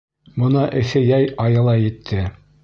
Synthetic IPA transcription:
mŏnɑʔɘ̆θɘjæjɑjɤ̆lˠɑjɘ̆t̪ʰːɘ

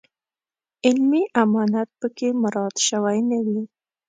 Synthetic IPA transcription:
ɪlmiʔamɑnat̪̚pəkemʊɾɑd̪ʃəwajnawi

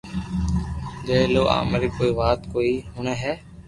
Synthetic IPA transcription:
d͡ʒ̪eːloːʔa̰ːmeɾiːkoːiːʋaːt̪koːiːɦʊnẽːɦɛː

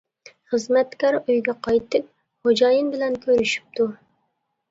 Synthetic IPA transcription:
χəzmɛt̪kʲɑɾøjɡʲɛqʰɑjt̪ʰɨp̚ | χod͡ʒɑjɨnbɪlɛnkʲʰøɾyʃy̥p̚t̪ʰu

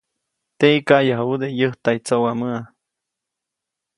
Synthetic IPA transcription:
t̪eikaʔjaɦaud̪ejəht̪ait͡sowaməa

